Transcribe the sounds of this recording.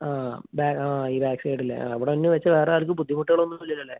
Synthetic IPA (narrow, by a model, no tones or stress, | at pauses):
aːbaːaːiːbaːksejʈːilːḛa̰ɐʋiɽeɐnːeʋet͡ɕːɐʋe̞ːreaːilkʲːɨpud̪ʱːimuʈːuɣɐɭonːuɐlːilːɐlːe